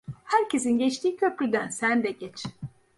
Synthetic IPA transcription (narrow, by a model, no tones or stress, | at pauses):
hæɾcʰe̞sinɟet͡ʃt̪iːcʰø̞plʲyd̪ænsænd̪ɛɟɛt͡ʃʰ